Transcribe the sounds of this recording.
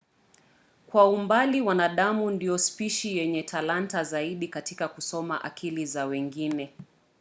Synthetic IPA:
kwaumbaliwanaɗamundijɔspiʃijɛɲɛtʰalantazaiɗikatikakusɔma̰ʔa̰kʰilizawɛŋɡinɛ

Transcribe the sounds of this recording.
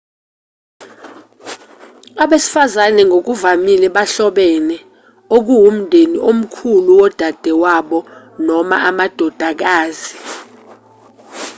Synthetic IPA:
aɓesi̥fazanɛŋɡʱok̬uvamilɛɓaɬɔɓɛnɛ | ok̬uwum̩dʱeniʔom̩kʰuluwɔd̥ʱad̥ʱɛwaɓɔ | nɔma̰amad̥ʱɔd̥ʱak̬aːzi

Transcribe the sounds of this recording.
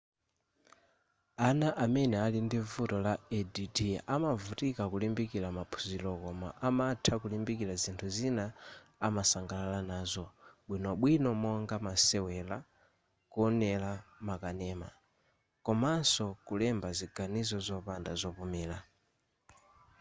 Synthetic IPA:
anaʔamɛnɛalindivutɔlaɛdidiʔamavutikakulimbikilamapʰu̥zilɔkɔma̰ʔamatʰakulimbikiɾazintʰuzinaamasaŋɡalalanaːzɔɓwinɔɓwinɔmɔŋɡamasɛwɛla | kuɔnɛlamakanɛːma̰ | kɔmansɔkulɛmbaziɡanizɔzɔpandazɔpumɛːla

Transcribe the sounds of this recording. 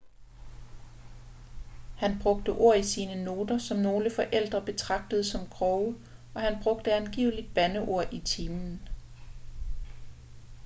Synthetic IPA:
hænb̥ʁɔ̽ɡ̥̚d̥əʔo̝ɐ̰isiːnəno̝ːd̥ɐsɒ̽mno̝ːləfɒ̽ʔel̰d̥ʁɐb̥e̝t͡sʰʁɑ̈ɡ̥̚d̥əð̞̩ˠsɒ̽mkʰʁɒʊ | ɒ̽hænb̥ʁɔ̽ɡ̥d̥əænɡ̥ḭʊ̰lid̥̚b̥ænəʔo̝ɐ̰ʔit͡sʰiːmn̩

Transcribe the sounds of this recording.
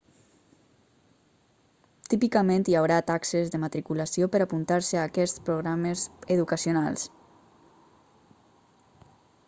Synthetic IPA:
t̪ipikəment̪iawɾat̪aksəzðəmat̪ɾikulasiopəɾapunt̪aɾsəaːkɛspɾoɣɾaməzəðukəsiona̰lˠs

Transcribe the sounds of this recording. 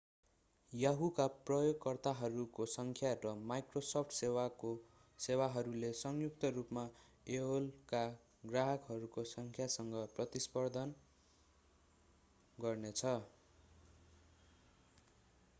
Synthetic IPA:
jaɦukaprʌjoɡkʌrt̪aɦʌɾukosʌŋkʰjarʌmajkrosʌpʰʈʰsewako | sewaɦʌɾulesʌŋjuk̚t̪ʌrupma | eolka | ɡraɦʌkɦʌɾukosʌŋkʰjasʌŋɡʌprʌt̪ispʌrd̪ʱʌn | ɡʌrnet͡sʰʌ

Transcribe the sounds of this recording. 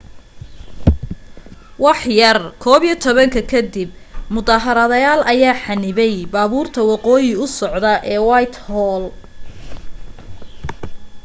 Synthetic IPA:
wɑħjɐrkʰɔːβit̪ʰɔβɐŋkʰɐkʰɐd̪ɪb̚mʊðaːɦɐɾɐðɐjaːlʔɐjaːħɑnɪβɛjbaːβuːrt̪ʰɐwɑqɔːjɪʊsɔʕd̪ɐʔɛːwɑjt̪ʰhɔːl

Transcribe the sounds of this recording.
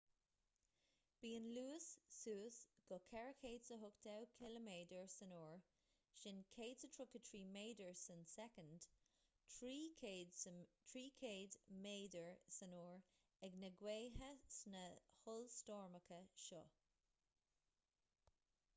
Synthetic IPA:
b̥iːənluːɪsːuːsɡ̥ɔkʰɛɹəkʰeːdsəɦʊktʰawkʰɪləmeːdəɹsənɔːɹ | ʃɪnkʰeːdsətʰɹʊkətʰɹiːmeːdəɹsənsɛkənd̥ | ɹi | tʰɹiːkʰeːdmeːdəɹsənoːɹ | ɛɡnəɡweːɦəsnəhʊlstɔːɹməkʰəʃɔ

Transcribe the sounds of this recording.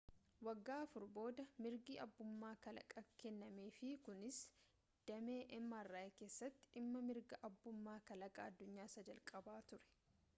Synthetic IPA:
wɐɡːaːɐfʊɾbo̞ːd̪ɐmɪɾɡiːʔɐbːʊmːaːkɐlɐ̰kʼɐkɛnːɐmeːfɪkʊnɪs | d̪̥ɐmeːʔɛmːarːaːeke̞ːsːɐt̪ːɪ̥ʔɪmːɐmɪɾɡɐʔɐbːʊmːaːkɐlɐkʼɐːd̪ːʊɲːaːsɐd͡ʒɐlkʼɐbaːt̪ʊɾɛ̥

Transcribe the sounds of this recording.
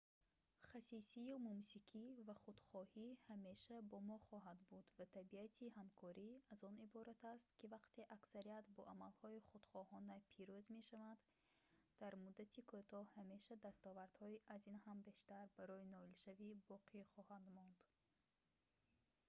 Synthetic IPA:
χasisijumumsiqʰivaχud̪̥χɔhihame̞ʃabɔmɔχɔɦad̪bud̪vat̪ʰabiat̪ʰiɦamkʰɔɾiazɔnibɔɾat̪ʰast̪kivaqt̪ʰe̞ʔaksaɾiat̪bɔʔamalhɔiχud̪̥χɔhɔnapʰiɾuzme̞ʃavand̪ː | aɾmud̪ːat̪ʰikʰot̪ʰɔhhame̞ʃad̪ast̪ɔvaɾd̪hɔiʔazinhambe̞ʃt̪aɾbaɾɔinɔilʃavibɔqʰiχɔhand̪mɔnd̪̥

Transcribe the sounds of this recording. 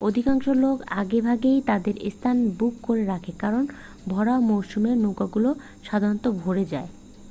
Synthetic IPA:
od̪ʱikaŋʃoloka̰ɡebʱaɡejt̪ad̪eɾḛst̪ʰanbukːoɾeɾakʰekaɾon | bʱɔɽaomowʃumenoɡaɡulo | ʃad̪ʱaɾot̪obʱoɾed͡ʑae

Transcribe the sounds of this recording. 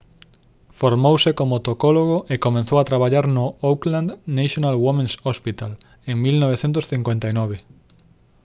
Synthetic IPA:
foɾmowsekomot̪okoloɣ̞oʔekomẽnθowat̪ɾaβaʎaɾnʊowkland̪naʃonalwomẽnsospit̪al | eŋmilnoβ̞eθent̪ʊsθiŋkwent̪ainɔβ̞e

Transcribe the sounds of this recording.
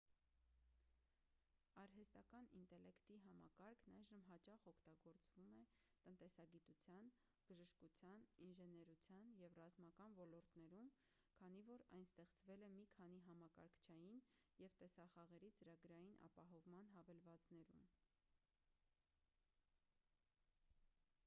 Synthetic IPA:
ɑɾɦɛst̪ɑkɑnint̪ɛlɛkt̪iɦɑmɑkɑɾkʰnɑjʒəmɦɑt͡ʃɑχɔkʰt̪ɑɡɔɾt͡svumɛ | t̪ənt̪ɛsɑɡit̪ut͡sʰjɑn | b̥əʒəʃkut͡sʰjɑninʒɛnɛɾut͡sʰjɑnjɛvrɑzmɑkɑnvɔlɔɾt̪nɛɾum | kʰɑnivɔɾɑ̰jnst̪ɛχt͡svɛlɛmikʰɑniɦɑmɑkɑ̰ɾkʰt͡ʃʰɑjinjɛvt̪ɛsɑχɑʁɛɾit͡səɾɑɡɾɑjinʔɑ̰pɑɦɔvmɑnɦɑvɛlvɑt͡snɛɾṵm

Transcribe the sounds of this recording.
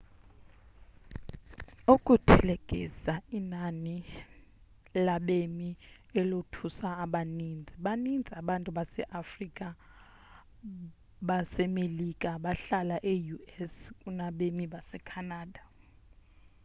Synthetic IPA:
ukʼutʰɛlekʼḭsainani | laɓemi | ɛlotʰusaːɓanind͡zʱiɓanind͡zʱiaɓantʼuɓasɛʔafrikʼa | ɓasɛmelikʼaɓaɬalaʔejuɛskʼunaɓemiɓasɛkʰanaːda

